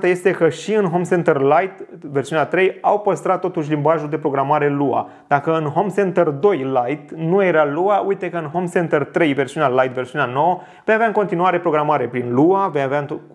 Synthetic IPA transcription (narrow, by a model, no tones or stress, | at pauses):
t̪aje̞st̪e̞kəʃiɨnɦo̞msent̪erlajt̪ve̞rsiunʲat̪ɾe̞jawpəst̪ɾat̪ːo̞t̪uʃ̬ʲlimbaʒuld̪e̞pɾo̞ɡɾamaɾe̞lua̰ | d̪̥akəɨnɦo̞msent̪erd̪o̞jlajt̪nuje̞ɾaluaujt̪e̞kəɨnɦo̞msent̪ert̪ɾe̞jve̞rsiunealajt̪versiuneano̞wə | vejaveaɨŋko̞nt̪inuaɾe̞pɾo̞ɡɾamaɾe̞pɾinluavejaveaɨnt̪o